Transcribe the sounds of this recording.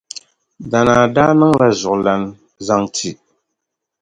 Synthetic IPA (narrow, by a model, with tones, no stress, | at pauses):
da˨naː˨da˦nɨ˦ŋla˦zʊ˨ʔla˨n | za˦ŋtʰi˨